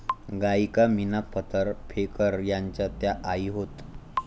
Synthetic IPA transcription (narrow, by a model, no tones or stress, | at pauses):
ɡaikaminapət̪əɾpʰekəɾjaɲt͡ɕjat̪jaʔaiɦot̪